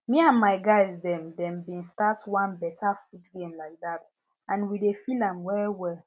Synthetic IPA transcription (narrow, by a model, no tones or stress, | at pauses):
miãnmaɪɡaɪzdɛ̃mdɛ̃mbĩnstatwãnbɛtʰafutɡẽmlaɪk̚ðat | ʔãnwidefilãmwɛɹiwɛl